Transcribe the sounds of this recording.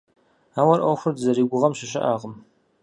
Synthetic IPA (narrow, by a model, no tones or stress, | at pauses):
aːwɐrʔoxʷʊrdzɐɾiːɡʷʊʁɐmɕɪɕɪ̰ʔaːʁəm